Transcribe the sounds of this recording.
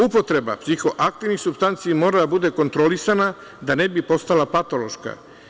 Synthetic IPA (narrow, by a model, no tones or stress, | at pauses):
upo̞t̪ɾe̞ba̰psixo̞ʔak̚t̪iʋnixsubst̪ant̪sijimo̞ːɾad̪abud̪e̞ko̞nt̪ɾo̞lisana | d̪ane̞bipo̞st̪alapat̪olo̞ʃka̰